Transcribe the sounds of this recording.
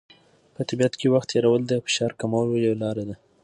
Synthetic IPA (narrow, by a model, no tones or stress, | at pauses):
pət̪ɪbijat̪kewaxt̪jɑɾawəld̪əfɪ̥ʃɑɾkamawljawlɑɾad̪a